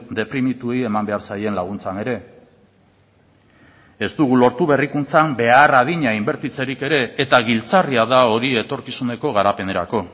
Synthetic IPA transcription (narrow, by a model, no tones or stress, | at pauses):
d̪e̞pɾimit̪ueie̞mambe̞aɾsaje̞nlaɣ̞unt͡sane̞ɾe̞ | e̞st̪uɣ̞ulo̞ɾt̪uβe̞rikunt͡sambe̞arað̞iɲaimbe̞ɾt̪it͡se̞ɾike̞ɾe̞ːt̪aɣilt͡sariaðao̞ɾiet̪o̞ɾkisune̞ko̞ɣ̞aɾape̞ne̞ɾa̰ko̞